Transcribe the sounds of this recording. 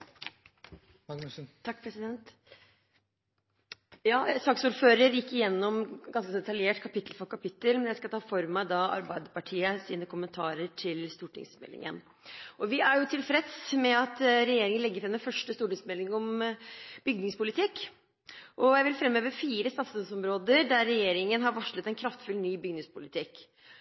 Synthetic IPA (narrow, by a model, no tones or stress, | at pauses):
ɑkːpʰɾɛsɪd̪ɛnt̪ | jɑːsɑksuːɾføːɾəɾjɪkːɪjɛnːɔmɡɑnskəd̪ɛt̪ɑljeːʈkʰɑpɪt̪ʰːlfɔɾkʰɑpɪt̪ːəlmɛnjæɪskɑt̪ʰɑːfɔɾmæɪd̪ɑɑ̰ɾbæɪd̪əɾpɑʈʰiːəsiːnəkʰʊmənt̪ʰɑːɾəʈʰɪlst̪uːʈɪ̰ŋsmɛ̰lːɪ̰ŋə̰n | ʔɔʋɪæɾjʊt̪ʰɪlfɾɛd̪smɛɑt̪ɾɛjeːɾɪŋənlɛɡːəɾfɾɛmnd̪ɛfœʂʈəst̪uːʈɪŋsmɛlɪŋɔm | b̥ʏɡ̚nɪŋspʊlɪt̪ʰɪkː | ʔɔjæɪʋɪlfɾɛmːøːʋəfiːɾəst̪ɑːt̪səsɔmɾoːd̪əɾd̪æɾːɛjeːɾɪŋənɦɑɾʋɑʂɭət̪ɛnkʰɾɑft̪fʉlnyːbʏɡnɪŋspʊlɪt̪ʰɪkː